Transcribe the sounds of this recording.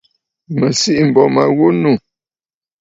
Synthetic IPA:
mə˨si˦ʔm̩˨bɔ˨ma˨ɣu˦nu˦˨

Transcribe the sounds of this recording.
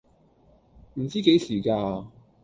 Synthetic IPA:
m̩˨˩t͡siː˥ke˨˥jsiː˨˩kaː˧

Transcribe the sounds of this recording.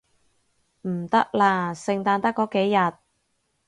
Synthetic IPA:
m̩˨˩t̪ɐ˥k̚laː˧sɪ˨ŋt̪aː˧nt̪ɐ˥kːɔː˨˥ke˨˥jjɐ˨t̚

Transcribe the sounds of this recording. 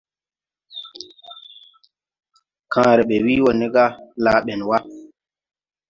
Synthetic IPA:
kãː˨˦ɾe˨ɓe˨wi˦wo˨nɛ˦ɡa˦la˦ɓɛ˨nwa˦

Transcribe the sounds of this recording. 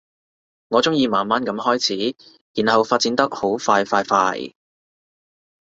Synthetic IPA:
ŋɔː˨˧t͡sʊ˥ŋjiː˧maː˨nmaː˥nkɐ˨˥mhɔː˥jt͡sʰiː˨˥ | jiː˨˩nhɐ˨wfaː˧t̚t͡si˨˧nt̪ɐ˥k̚ho˨˥wfaː˧jfaː˧jfaː˧˥j

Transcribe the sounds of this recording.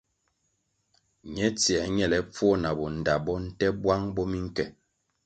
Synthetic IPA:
ɲɛ˨˦t͡si˨ɛ˨ɲɛ˨lɛ˨p͡fwɔ˦na˨bɔ˨n̩˨da˨bɔ˦n̩˦tɛ˦bwa˦ŋbɔ˦mi˦ŋ˦kɛ˨

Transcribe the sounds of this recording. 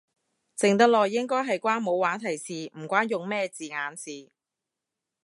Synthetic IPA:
t͡sɪ˨ŋt̪ɐ˥k̚lɔː˨jːɪ˥ŋkɔː˥jɦɐ˨jkʷaː˥nmo˨˧waː˨˥t̪ʰɐ˨˩jsiː˨m̩˨˩kʷaː˥njʊ˨ŋmɛː˥t͡siː˨ŋaː˨˧nsiː˨

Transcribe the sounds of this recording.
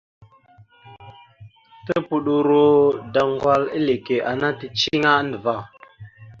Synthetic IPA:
tə˦pu˨ɗu˨ɾo˦da˨ŋɡwa˦li˦le˨ke˨ʔa˨na˦tə˨t͡ʃi˦ŋa˦ndə˨va˦˨

